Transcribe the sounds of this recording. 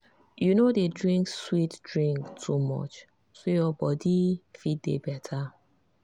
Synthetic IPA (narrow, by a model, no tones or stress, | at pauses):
junodedɹĩŋkswitdɹĩŋktʰːumɔ̰t͡ʃ | sojɔbɔdifit̚dḛbɛtʰa